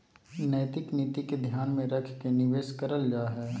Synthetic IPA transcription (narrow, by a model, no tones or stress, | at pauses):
nəːt̪ɪkniːt̪iked̪ʱjaːnmẽɾɐkʰkenɪʋeːʃkɐɾəld͡ʒaːɦɛː